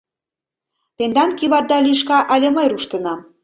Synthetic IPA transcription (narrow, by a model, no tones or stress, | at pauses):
t̪end̪ɑnkiβɑrd̪ɑlyʃ̬kɑʔɑlʲĕməjɾuʃt̪ə̆nɑm